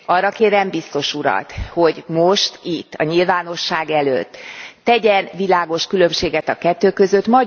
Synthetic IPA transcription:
ɒrːɒkeːɾɛmbist̪o̞ʃuɾɒ̰t̪ho̞ɟmo̞ʃt̪it̪ːɒ̰ɲilvaːno̞ʃːaːɡɛlø̰t̪ːɛɟɛnvilaːɡo̞ʃkylø̞mʃeːɡɛt̪ɒkɛt̪ːøːkø̞zøt̪mɒ

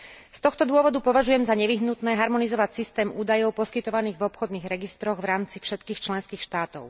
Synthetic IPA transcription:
st̪ɔxt̪ɔd̪ʊɔʋɔd̪upɔʋaʒujɛmzaɲɛʋiɦnut̪nɛːɦaɾmɔnizɔʋacsist̪ɛːmuːd̪ajɔʊpɔskit̪ɔʋaniːɣvɔpxɔd̪niːɣɾɛɡist̪ɾɔɣvɾaːmt͡sifʃɛt̪kiːxt͡ʃlɛnskiːxʃt̪aːt̪ɔ̰ʊ

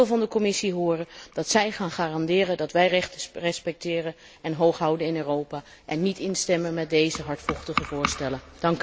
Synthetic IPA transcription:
lˠvɑndəkɔmɪsiɦʊːrəd̥ɑtsɛjχaːnχaːrɑndɪːrəndɑtʋɛjrɛχtərɛspɛk̚tɪːrən | ɛnɦowχɦɑwdənɪnøːrowpaː | ʔɛnːitɪnstɛmənmɛt̚dejzəɦɑɹtfɔχtəχəvʊːɹstɛlənd̥ɑŋk

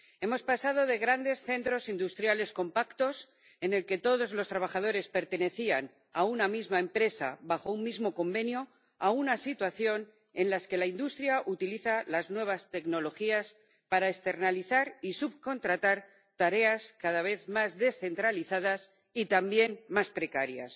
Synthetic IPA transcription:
e̞mo̞spasað̞o̞ðe̞ɣɾand̪e̞sθe̞nt̪ɾo̞sind̪ust̪ɾjale̞sko̞mpakt̪o̞s | e̞ne̞lke̞t̪o̞ðo̞zlo̞st̪ɾaβ̞axað̞o̞ɾe̞spe̞ɾt̪e̞ne̞θian | aunamizmae̞mpɾe̞sa̰βaxo̞ummːizmo̞ko̞mbe̞njo | aunasit̪waθjo̞n | e̞nlaske̞laind̪ust̪ɾjaʔut̪iliθalaznwe̞β̞ast̪e̞kno̞lo̞xias | paɾaest̪e̞ɾnaliθaɾisuβko̞nt̪ɾat̪aɾ | t̪aɾe̞askaðaβ̞e̞θmazðe̞sθe̞nt̪ɾaliθaðas | it̪ambje̞nmaspɾe̞kaɾja̰s

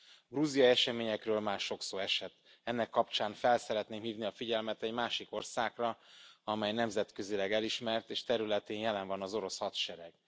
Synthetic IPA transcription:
bruzijɒɛʃɛmeːɲɛkrøːlmaːrʃo̞ksoːɛʃɛt̪ | ɛnːɛkːɒpt͡ʃaːnfɛlsɛɾɛt̪neːmhiːvniɒfiɟɛlmɛt̪ɛɟmaːʃiko̞rsaːkrɒɒmɛjnɛmzɛt̪køzilɛɡɛliʃmɛrt̪eːʃt̪ɛɾylɛt̪eːnjɛlɛɱvɒnɒzo̞ɾo̞shɒt̪ʃɛɾɛɡ̥

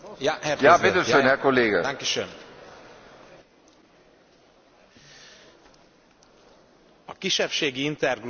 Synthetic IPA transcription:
jaɦɛɾjaːed̪øønɛkolːeːɡaaŋkiʃøm | ɒkiʃɛpʃeːɡiint̪ɛrɡr

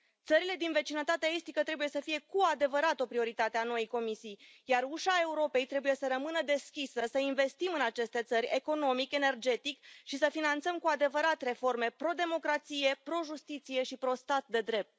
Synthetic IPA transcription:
t̪səɾile̞d̪inve̞t͡ʃinət̪at̪eaest̪ikət̪ɾe̞buje̞səfije̞kuad̪e̞vəɾat̪o̞pɾio̞ɾit̪at̪e̞ano̞jijko̞misijjaruʃae̞uɾo̞pe̞jt̪ɾe̞buje̞səɾəmɨnəd̪e̞skʲisəsəinve̞st̪imɨnat͡ʃe̞st̪e̞t̪səɾʲe̞ko̞no̞mike̞ne̞rd͡ʒe̞t̪ikʃisəfinant̪səmkuad̪e̞vəɾat̪re̞fo̞rme̞pɾo̞d̪e̞mo̞kɾat̪sije̞pɾo̞ʒust̪it̪sije̞ʃipɾo̞st̪at̪̚d̪e̞d̪ɾe̞p̚t̪̚

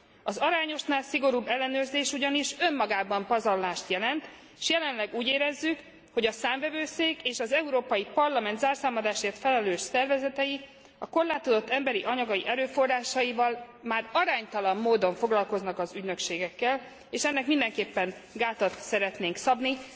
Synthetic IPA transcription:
ɒzɒɾaːɲo̞ʃnaːlsiɡo̞ɾuːbːɛlːɛnøːrzeːʃuɟɒniʃø̞mːɒɡaːbɒmpɒzɒrlaːʃt̪jɛlɛnt̪ | ʃjɛlɛnlɛɡuːɟeːɾɛzːyk | ho̞ɟɒsaːɱvɛvøːseːkeːʃɒzɛuɾoːpɒjipɒrlɒmɛnt̪zaːrsaːmɒd̪aːʃeːrt̪fɛlɛløːʃsɛrvɛzɛt̪ɛji | ɒko̞rlaːt̪o̞d̪o̞t̪ːɛmbɛɾiʔɒɲɒɡɒjiʔɛɾøːfo̞raːʃɒjivɒl | maːrɒɾaːɲt̪ɒlɒmːoːd̪o̞ɱfo̞ɡlɒlko̞znɒkɒzyɟnø̞kʃeːɡɛkːɛl | eːʃɛnːɛkmind̪ɛŋkeːpːɛnɡaːt̪ɒt̪sɛɾɛt̪neːŋksɒbni

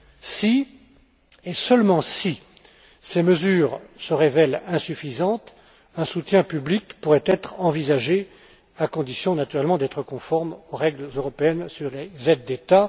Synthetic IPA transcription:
si | esəlmɑ̃si | seməzyːʁsəʁevɛlɛ̃syfizɑ̃t̪ | ɛ̃sut̪jɛ̃pyblikpuʁɛt̪ɛt̪χɑ̃vizaʒe | akɔ̃d̪isjɔ̃nat̪yʁɛlmɑ̃d̪ɛt̪χəkɔ̃fɔʁmoʁɛɡlzøʁɔpeɛnsyʁlezɛd̪̚ːet̪a

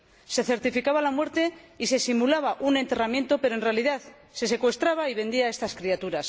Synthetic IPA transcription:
se̞θe̞ɾt̪ifikaβalamwe̞ɾt̪e̞ise̞simulaβaʔune̞nt̪e̞ramjẽ̞nt̪o̞pe̞ɾo̞e̞nrealiðaθ | se̞se̞kwe̞st̪ɾaβaiβ̞e̞nd̪iae̞st̪askɾiat̪uɾas

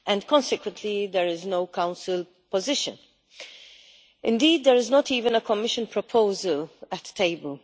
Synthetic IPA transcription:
ʔɛ̃ndkɔ̃nsɪkwə̃ntʰlid̪ɛɹɪznoʊkãʊ̃nsɪl | pɔzɪʃə̰̃n | ʔɪ̃ndiːd̪̚dəɹɪznɔtiːvə̃nəkɔmɪʃə̃npɹɔpʰoʊzələtʰːeɪbəl

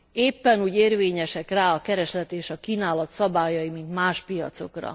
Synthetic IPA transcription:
eːpːɛnuːɟeːrveːɲɛʃɛkraːɒkɛɾɛʃlɛt̪eːʃɒkiːnaːlɒt̪sɒbaːjɒjimint̪maːʃpijɒ̰t̪so̞̰krɒ̰

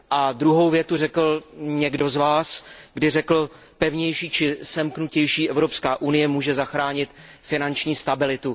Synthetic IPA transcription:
ʔad̪ɾuɦo̞wvjɛt̪urɛkl̩ɲɛɡdo̞zvaːsɡdɪrɛkl̩ | pɛvɲɛjʃiːt͡ʃɪsɛmknucɛjʃiːʔɛvɾo̞pskaːʔunɪjɛmuːʒɛzaxɾaːɲɪt̪fɪnant͡ʃɲiːst̪abɪlɪt̪u

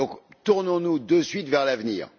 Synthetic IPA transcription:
ɔ̃kt̪uʁnɔ̃nud̪əsɥit̪vɛʁlavniːʁ

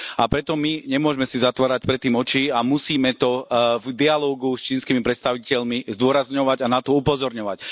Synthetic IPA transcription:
apɾɛt̪ɔmiɲɛmʊɔʒmɛsizat̪ʋaːɾac̚pɾɛt̪ːiːmɔt͡ʃiːamusiːmɛt̪ɔvd̪ialɔːɡust͡ʃiːnskimipɾɛt̪st̪aʋicɛʎmizd̪ʊɔɾazɲɔʋaɟanat̪ɔupɔzɔɾɲɔʋac

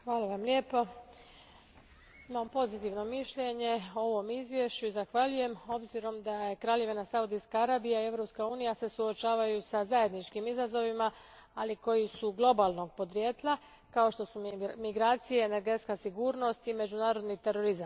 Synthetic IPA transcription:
xʋaːlaʋamlʲeːpo | imampo̞zit̪iʋno̞miʃʎe̞ɲe̞oo̞ʋo̞mizʋje̞ʃt͡ɕuizaxʋaʎuje̞mo̞bziɾo̞md̪ajekɾaːʎe̞ʋenasaud̪iskaaɾaːbijaie̞vɾopskauːnijase̞suo̞t͡ʃaːʋajusazaje̞d̪nit͡ʃkimizazo̞ʋima | aliko̞jisuɡlˠo̞balˠno̞ɡ̚po̞d̪ɾjeːt̪lˠa | kao̞ʃt̪o̞sumiɡɾaːt̪sijeːne̞ɾɡe̞t̪skasiɡuːɾno̞st̪ime̞d͡ʒunaːɾo̞d̪nit̪e̞ɾo̞ɾizam

